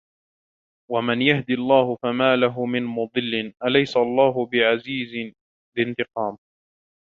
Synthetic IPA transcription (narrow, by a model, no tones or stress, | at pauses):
wamanjahd̪iɑlˤːɑːhʊfamaːlaɦʊmɪnmʊd̪ˤɨlːɪnʔalajsaʔɑlˤːɑːɦʊbɪʕaziːzɪ | bɪnt̪ɨqɑːm